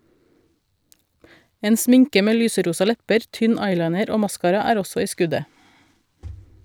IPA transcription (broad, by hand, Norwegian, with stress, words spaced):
ˈeːn ˈsmɪŋkə ˈmeː ˈlyːsəˌɾuːsɑ ˈlɛpəɾ ˈtʏn ˈɑɪlɑɪnəɾ ˈoː ˈmɑskɑːɾɑ ˈæːɾ ˈɔsɔ ˈiː ˈskʉdə